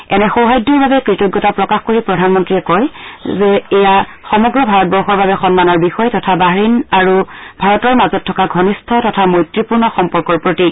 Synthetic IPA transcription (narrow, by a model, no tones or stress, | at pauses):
ɛnɛxowɦajdːɔɹbabɛkɹitɔɡːɔtapɹɔkaxkoɹipɹɔdʱanmɔntɹiɛkɔjzɛɛjaxɔmɔɡɹɔbʱaɹɔt̚bɔɹxɔɹbabɛxɔnmanɔɹbixɔjtɔtʰabaɦɹinaɹubʱaɹɔtɔɹmazɔtʰːɔkaɡʱɔnistʰɔtɔtʰamojtɹipuɹnɔxɔmpɔɹkɔɹpɹoti